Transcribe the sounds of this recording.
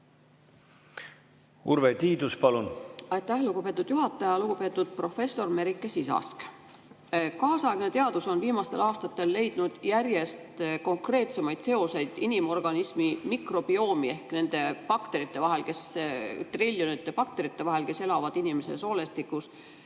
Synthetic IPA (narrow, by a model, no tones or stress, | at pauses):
uɾvet̪iːd̪uspɑlunɑjt̪ːæhluɡupe̞ːt̪ːˑud̪̥juɦɑt̪ːˑɑjɑluɡ̥upe̞ːt̪ːˑud̪̥̚pro̞fe̞sːo̞rme̞ɾikˑːesisɑ̰sk | kɑːsɑeɡ̥ne̞t̪e̞ɑd̪̥uso̞nviːmɑst̪e̞lɑːst̪ɑt̪ːe̞lːe̞jd̪̥nud̪̥jærje̞st̪ko̞ŋkre̞ːt̪se̞mɑjd̪̥se̞o̞se̞jd̪̥inimo̞rɡ̥ɑnismimikro̞b̥io̞ːmie̞hkne̞nd̪̥e̞pɑkt̪e̞ɾit̪ːe̞vɑɦe̞lke̞st̪rilʲːjonit̪ːˑepɑk̚t̪e̞ɾit̪ˑːe̞vɑɦe̞lke̞se̞lɑvɑd̪̥inime̞se̞so̞ːle̞st̪ikːˑus